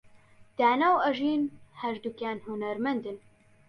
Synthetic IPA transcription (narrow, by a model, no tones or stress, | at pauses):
d̪̥aːnaːwɐʒiːnhɛɾd̪ukaːnhunɐɾmɐnd̪ɨn